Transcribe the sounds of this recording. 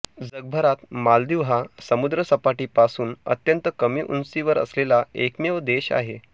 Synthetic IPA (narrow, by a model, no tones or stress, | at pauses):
d͡zəɡ̚bʱəɾat̪mald̪iʋɦasəmud̪ɾəsəpaʈiːpasuːnə̰t̪jənt̪əkəmiːʔṵnsiʋəɾə̰slelaekmeʋd̪eɕa̰ɦe